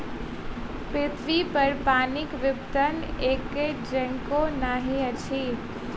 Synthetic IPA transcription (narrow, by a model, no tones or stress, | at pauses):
pɾɪt̪ʰʋipəɾpaːnɪkʋɪpt̪əneːked͡ʒə̃ŋkonaːɦĩət͡ʃʰiː